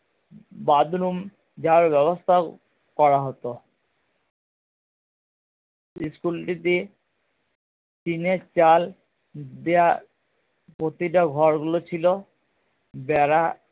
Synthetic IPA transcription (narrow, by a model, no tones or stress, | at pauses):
bad̪ɾum | d͡ʑaɾbɛβost̪ʰa | kɔɾaɦɔt̪o | iskulʈit̪i | t͡ɕineɾt͡ɕal | d̪ea | pot̪iʈaɡʱɔɾɡulot͡ɕʰilo | bɛɾa